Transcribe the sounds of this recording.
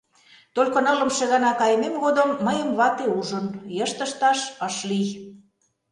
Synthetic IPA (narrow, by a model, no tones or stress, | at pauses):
t̪olʲkŏnɤlə̆mʃĕɣɑnɑkɑjmemɣod̪əmːəjəmβɑt̪euʒə̆njəʃt̪ə̆ʃt̪ɑʃəʃlij